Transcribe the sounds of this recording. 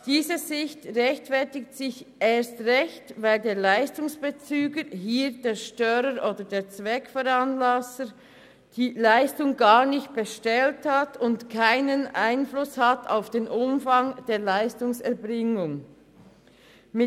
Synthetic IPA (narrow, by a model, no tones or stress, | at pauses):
d̥iːzəzɪçtʁɛçtfɛɐtɪktsɪçeːɐstʁɛçtvaɪldeːɐlaɪstʊŋsb̥et͡syːɡəɦiːd̥eːɾʃtœɾəɾʔoːdədeːt͡svɛkfɔɾanlasə | d̥iːlaɪstʊŋɡaːʁnɪçt̚b̥əʃtɛlthatʰʊntkʰaɪnənaɪnflʊshata̰ʊfd̥eːnʔʊmfaŋd̥eːlaɪstʊŋsɛɐbʁɪŋʊŋ | mɪ